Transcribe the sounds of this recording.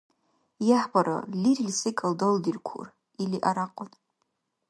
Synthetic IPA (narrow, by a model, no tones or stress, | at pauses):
jaħbaɾa̰lirilʲsɨkʼaldoldirkʷʰṵr | iliʔaɾaqʼʊn